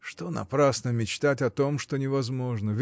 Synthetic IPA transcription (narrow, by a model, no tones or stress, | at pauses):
ʂt̪o̞nɐ̰pɾasnəmʲɪt͡ɕt̪atʲɐt̪o̞mʂt̪onʲɪvɐzmo̞ʐnəvʲ